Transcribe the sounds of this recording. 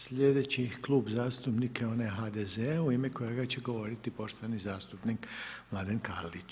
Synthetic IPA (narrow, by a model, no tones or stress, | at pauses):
sʎʲe̞d̪e̞t͡ɕiklˠuːbzaːst̪upnikʰeo̞neɦad̪ezeauimeko̞jeɡat͡ɕe̞ɡo̞ʋo̞ɾit̪ipo̞ʃt̪oʋanizaːst̪upnikmlˠad̪enka̰ɾlit͡ɕ